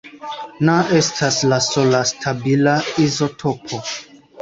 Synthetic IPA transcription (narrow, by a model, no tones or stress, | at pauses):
naʔe̞stʰaslaso̞lastʰabilaizo̞tʰopʰo̞